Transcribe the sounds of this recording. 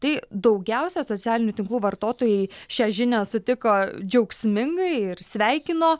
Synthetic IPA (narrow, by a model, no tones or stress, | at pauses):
t̪ɐɪd̪ɐʊɡʲɛʊsʲɛsoːtt͡s̪ʲæːlʲɪnʲuːt̪ʲɪŋklˠuːʋɐrt̪oːt̪oːjɛɪʃʲæːʒʲɪnʲæsʊt̪ʲɪkoːd͡ʒʲɛʊksʲmʲɪŋɡɐɪɪɾsʲʋʲɛɪkʲɪnoː